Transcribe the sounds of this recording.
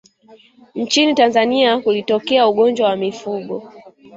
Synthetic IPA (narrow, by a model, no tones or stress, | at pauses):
n̩t͡ʃinitanzaniakulitɔkɛauɠɔnd͡ʒwawamifuɠɔ